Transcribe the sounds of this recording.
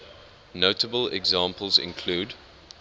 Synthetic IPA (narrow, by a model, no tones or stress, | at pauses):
noʊtəbəlɛ̰ɡzɑ̃ːˑmpəlˠzɪ̰̃nkʰl̥uːd